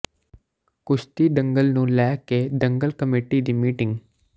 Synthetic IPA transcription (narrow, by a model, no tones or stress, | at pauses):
kʊʃt̪iːɖ̪əŋɡəlnũːlɛːkeːɖ̪əŋɡəlkəmeːʈiːd̪iːmiːʈɪŋɡ